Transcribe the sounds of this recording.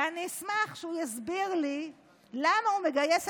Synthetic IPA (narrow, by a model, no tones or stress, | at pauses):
anismaχʃeujazbiʁli | lamaumeɡajes